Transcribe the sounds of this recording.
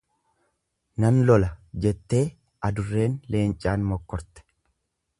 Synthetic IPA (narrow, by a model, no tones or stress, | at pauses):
nɐnlɔlɐd͡ʒɛt̪ːe̞ː | ʔɐd̪ʊrːe̞ːnle̞ːnt͡ʃʼaːnmɔkːɔɾt̪ɛ̥